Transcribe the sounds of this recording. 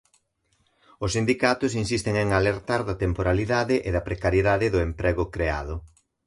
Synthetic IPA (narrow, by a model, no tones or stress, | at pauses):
ʊsind̪ikat̪ʊsinsist̪eŋeŋaleɾt̪aɾðɐt̪empoɾaliðaðɪʔeðɐpɾekaɾjeðaðɪðʊempɾʔɛɣʊkɾea̰ðʊ